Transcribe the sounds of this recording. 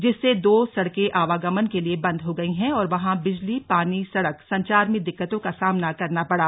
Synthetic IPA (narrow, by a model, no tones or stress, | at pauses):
d͡ʒɪsːed̪oːsɐɽkeʔaːʋaːɡɐmənkeliebɐ̃nd̪ɦoɡɐiɦɛ̃ɔːɾʋɐɦãbɪd͡ʒlipaːnisɐɽəksɐ̃ɲt͡ʃaːɾmẽd̪ɪkːət̪õkasaːmnakɐɾnapɐɽaː